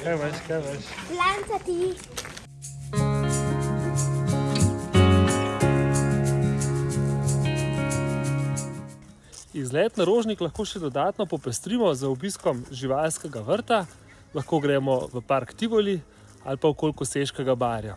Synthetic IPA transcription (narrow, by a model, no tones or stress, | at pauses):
kajʋaʃkajʋaʃblant̪at̪i | izlɛːt̪naɾoːʒniklaxkoːʃɛd̪ɔd̪aːt̪nɔpɔpɛst̪ɾiːmɔzaɔbiskɔmʒiʋaːlskɛɡaʋəɾt̪a | laxkoːɡɾɛːmɔʋəpaɾkt̪iɡɔli | alpawkoːlkuseʃkɛɡabaːɾja